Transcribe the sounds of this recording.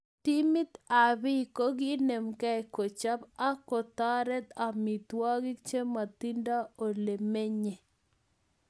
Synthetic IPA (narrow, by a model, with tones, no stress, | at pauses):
ti˦mɪ˦t̪a˨bɪ˦˨ko˦ɡi˦ne˨mkɛ˦ɛ˨ko˨t͡ʃa˦ba˦kɔ˨t̪a˦ɾɛ˦t̪a˨mɪ˨t̪wa˦ɡɪ˦kt͡ʃe˦ma˨t̪i˦nda˦o˨le˨me˦ɲe˨